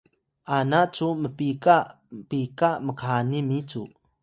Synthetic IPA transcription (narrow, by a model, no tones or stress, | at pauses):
ʔanat͡suməpika | pikaməkanimit͡su